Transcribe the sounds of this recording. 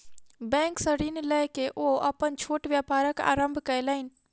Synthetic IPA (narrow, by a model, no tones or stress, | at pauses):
bɛ̃ŋksə̃ɾinləɦkeʔoəpənt͡ʃʰoʈʋjapaɾəka̰ːɾəmbʱkəjləɪn̆